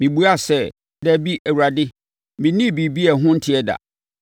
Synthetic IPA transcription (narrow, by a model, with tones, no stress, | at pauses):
mĩ˨bu˦a˦˨sɛ˦˨ | dɛ˦bi˦ʔɛ˨wu˨ɾa˨dɪ˦ | mĩ˨nĩ˦˨bi˨bi˦ɛ˨ɦʊ̃˦n̩˦tʰɪ˨ɛ˦da̰˨